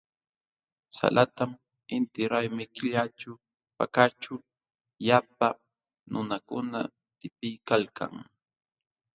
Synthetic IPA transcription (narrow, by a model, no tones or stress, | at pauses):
sa̰lʔat̪am | ɪnt̪ɪɾajmɪkɪʎat͡ʃʊ | pa̰kat͡ʃʊ | jap̚a | nʊnakʊna̰ | t̪ɪpɪjkalkʰa̰ŋ